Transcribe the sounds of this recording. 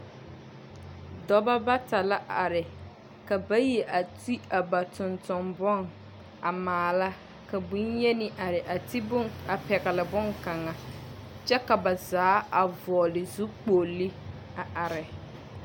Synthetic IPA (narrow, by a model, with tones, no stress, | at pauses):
dɔ˦ba˦ba˦ta˨la˦ʔa˨ɾɪ˨ | ka˨ba˦je˨ʔa˨ti˦a˨ba˨tʊ˨ntʊ˨mbɔ˦˨ŋ | a˨maː˨la˦ | ka˨bu˦nje˦nɪ˨ʔa˨ɾɪ˨ʔa˨ti˦bʊ˦a˨pɛ˨ɣɛ˨lɪ˨bʊ˦ŋka˨ŋa˨ | t͡ʃɛ˦ka˨ba˨zaː˨˦a˨vɔ˨lɪ˨zu˦k͡po˨li˦ | a˨ʔa˨ɾɪ˨